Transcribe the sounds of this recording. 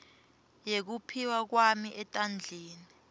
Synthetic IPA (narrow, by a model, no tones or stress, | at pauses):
jek̬upʰiwak̬wamiʔɛtʼand͡ɮʱiːni